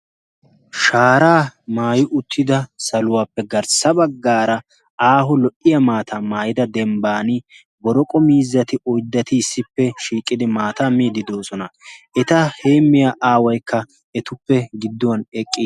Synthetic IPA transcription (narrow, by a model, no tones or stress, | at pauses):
ʃaːɾaːmaːjʊʔʊt̪ʰːɪd̪ɐsɐlʊwaːpːɛɡɐɾsɐbɐɡːaːɾɐ | aːɦɔlɔʔɪjɐmaːt̪ʰaːmaːjɪd̪ɐd̪ɛmbaːnɪ | bɔɾɔkʼɔmiːzːɐt̪ɪʔɔjd̪ːɐt̪ɪːsːɪpːɛʃiːkʼːɪd̪ɪmaːt̪aːmiːd̪ɪd̪oːsɔnɐʔɛt̪ɐhe̞ːmːɪjaʔaːwɐjkʰːɐ | ɛt̪ʊpːɛɡɪd̪ːɔwɐnɛkʼːi